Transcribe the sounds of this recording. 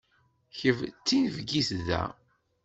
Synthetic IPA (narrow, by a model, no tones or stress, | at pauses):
çəvt͡sːinəvɡiθðæ̰